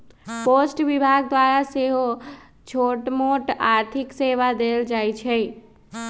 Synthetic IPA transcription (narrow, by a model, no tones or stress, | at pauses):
posʈʋibʱaɡ̚d̪ʋaɾaseɦo | t͡ʃʰoʈmoʈaɾt̪ʰikseʋad̪eld͡ʒajt͡ʃʰɛ